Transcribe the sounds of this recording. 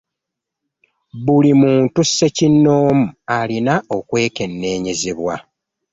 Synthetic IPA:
βulimuːntusːe̞cinːo̞ːmualinao̞kwe̞ːke̞nːe̞ːɲe̞ze̞βwa̰

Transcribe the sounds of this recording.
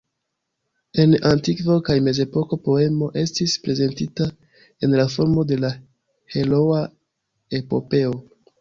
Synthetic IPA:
e̞nantikvo̞kajme̞ze̞po̞ko̞po̞e̞mo̞ʔe̞stispɾe̞ze̞ntita | e̞nlafo̞ɾmo̞de̞la | he̞lo̞a | e̞po̞̰pe̞o

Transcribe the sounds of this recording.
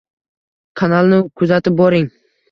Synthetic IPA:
kʰanalˠnɪkʰʊzat̪ɪp̚bɒɾɪŋ

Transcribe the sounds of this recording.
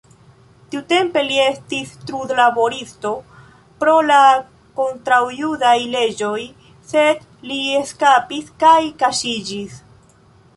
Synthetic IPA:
tiute̞mpe̞lie̞stistɾudlabo̞ɾisto̞ | pɾo̞la | ko̞ntɾawjudajle̞d͡ʒo̞j | se̞d | lieskapiskajkaʃid͡ʒis

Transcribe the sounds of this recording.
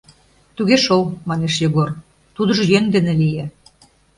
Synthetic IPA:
t̪uɣeʃolˠmɑneʃjɤɣor | t̪ud̪ɤ̆ʒɤ̆jønd̪enĕlije

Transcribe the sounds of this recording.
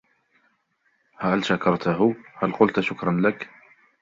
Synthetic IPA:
halʃakɑɾˤt̪aɦʊhalqʊlt̪ʃʊkɾˤɑnlak

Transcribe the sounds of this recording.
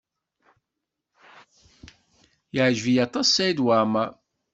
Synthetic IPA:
jəʕʒvijɑt̪ˤɑsːæid̪waʕma

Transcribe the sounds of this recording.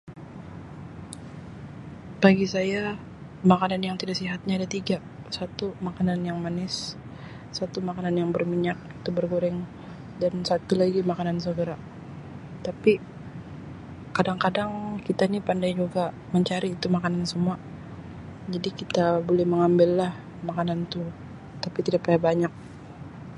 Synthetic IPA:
b̥aɡisaja | makananjaŋt̪idaʔsiɦat̪̚ɲaːdat̪iɡa | sat̪umakananjaŋmanɪsː | at̪umakananjaŋbərmiɲak̚it̪ubərɡoɾɛŋ | dansat̪ulaɡimakanansəɡəɾa | t̪api | kadaŋkadaŋkit̪anipandajd͡ʒuɡa | məɲt͡ʃaɾiːt̪umakanansəmua | d͡ʒadikit̪abolɛhməŋambɪlːah | makanant̪u | t̪apit̪idaʔpajabaɲak̚

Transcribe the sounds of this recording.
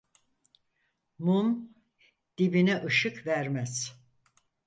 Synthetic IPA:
mum | d̪̥ibinɛʔɯʃɯkvæɾmæz̥

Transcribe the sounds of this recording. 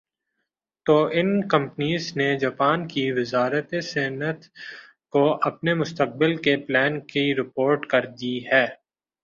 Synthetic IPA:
t̪oːʔɪnkɐ̃mpniːzned͡ʒaːpaːnkiʋɪzaːɾət̪esɛːnət̪ | koʔɐpnemʊst̪əq̚bɪlkeplɛːnkiɾɪpoːɾʈkɐɾd̪iɦɛː

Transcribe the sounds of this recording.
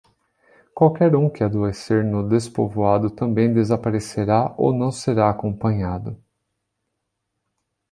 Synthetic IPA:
kwawkɛɾũkɪad̪oeseɾnʊd̪espovoad̪ʊt̪ɐ̃mbẽj̃d̪ezapaɾeseɾaʔo̰wnɐ̃w̃seɾaːkõpɐ̃ɲad̪ʊ

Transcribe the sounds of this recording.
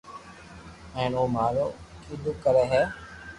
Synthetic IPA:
ɛ̃ːnoːmaːloːkiːd̪ʊkːəɾɛːɦɛː

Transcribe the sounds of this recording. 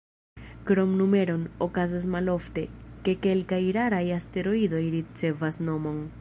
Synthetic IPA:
kɾo̞mnume̞ɾo̞nokazas̬malo̞fte̞ke̞ke̞lkajɾaɾajaste̞ɾo̞ido̞jɾit͡se̞vasno̞mo̞n

